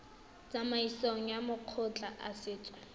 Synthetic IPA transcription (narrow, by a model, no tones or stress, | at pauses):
t͡samaisoŋ̩jamʊq͡χʰʊt͡ɬʼaʔasɪːt͡sʼwa